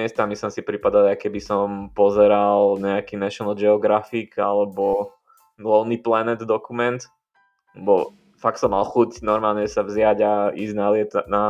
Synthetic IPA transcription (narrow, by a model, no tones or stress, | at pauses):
ɛst̪amisimsipɾipad̪alajkɛbisɔmpɔzɛɾalɲɛakiːnɛʃɔnɔd͡ʒɛɔɡɾafikalɛbɔ | lɔʊniplɛnɛd̪d̪ɔkumɛnt̪ | lɛbɔ | fakt̪sɔmːalxucnɔɾmaːlɲɛsavzɪjaɟaiːznalɪɛt̪na